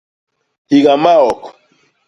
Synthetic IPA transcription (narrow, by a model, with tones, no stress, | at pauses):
hi˨ɣa˨ma˦ɔ˨kɔ̥˨